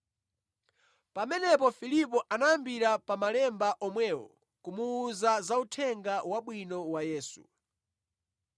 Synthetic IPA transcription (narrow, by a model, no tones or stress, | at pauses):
pamɛnɛp̬ɔfilip̬ɔʔanaambiɾapamalɛmbaʔɔmwɛːwɔ̰ | kumuːzazautʰɛŋɡawaɓwinɔwajɛːsṵ